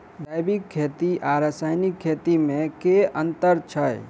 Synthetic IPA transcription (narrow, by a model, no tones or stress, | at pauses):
d̪ajbikʰːet̪iʔaɾəsaːjnikʰːet̪imẽkeənt̪əɾt͡ʃʰəj